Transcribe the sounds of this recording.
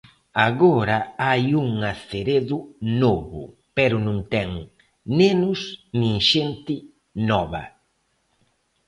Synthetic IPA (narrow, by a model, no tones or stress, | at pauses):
aɣɔɾaajuŋaθeɾeðʊnoβʊ̰ | pɛɾʊnũŋt̪ɛŋ | nenʊsnĩŋʃent̪ɪ | nɔβɐ̰